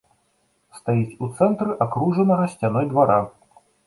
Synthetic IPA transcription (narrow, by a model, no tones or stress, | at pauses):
st̪ajit͡sʲut̪sɛnt̪ɾɨʔakɾuʐɐnɐɣɐsʲt͡sʲanɔjd̪vaɾa